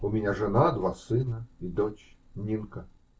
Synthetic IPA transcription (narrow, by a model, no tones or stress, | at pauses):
umʲɪnʲaʐɨnad̪vasɨnɐid̪ɔt͡ɕ | nʲinkɐ